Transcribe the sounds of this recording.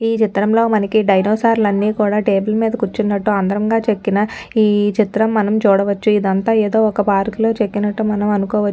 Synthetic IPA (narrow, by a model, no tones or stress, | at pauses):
iːt͡ʃit̪ɾɐmlo̞ːmɐnɐkiɖɐjnoːsaːɾlɐnːiːkuːɽaːʈeːbɐlmiːd̪ɐkut͡ʃːunːɐʈːuɐnd̪ɐɾɐmɡaːt͡ʃe̞kːinɐiːt͡ʃit̪ɾɐmːɐnɐmt͡ʃuːɽɐʋɐt͡ʃːuid̪ɐnt̪aːeːd̪o̞ːɔkɐpaːɾkulo̞ːt͡ʃe̞kːinɐʈːumɐnɐmɐnukɔːʋɐt͡ʃː